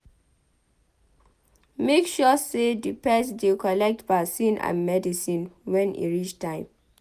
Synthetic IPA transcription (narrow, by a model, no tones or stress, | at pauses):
mekʃɔsedipɛsdekɔlɛk̚tbasĩnʔã̰nmɛdisĩnwɛ̃nḭɹit͡ʃtʰãɪ̃m